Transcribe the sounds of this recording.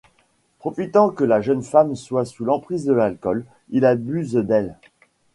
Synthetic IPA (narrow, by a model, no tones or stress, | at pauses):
pχɔfit̪ɑ̃kəlaʒənfamswasulɑ̃pχizd̪əlalkɔl | ilabyzd̪ɛl